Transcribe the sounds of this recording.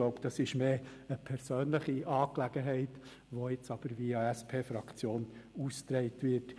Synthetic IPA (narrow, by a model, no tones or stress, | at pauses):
loʊpd̥ɑsɪʃmeːəpʰɛɾsøːnləχiʔɑːklæɡ̥əɦɛɪt | ʋoɪt͡sɑb̥əɾviːɑæspʰeːfɾɑkt͡sjoːnust̪ɾɛɪtʋɪt